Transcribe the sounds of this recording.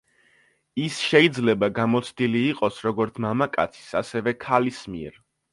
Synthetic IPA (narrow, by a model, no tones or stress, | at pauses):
isʃɛid̪zlɛbaɡamɔt̪sʰd̪iliːqʼɔsɾɔɡɔɾt̪sʰmamakʼa̰t̪sʰi̥sasɛvɛkʰalismiɛ̰ɾ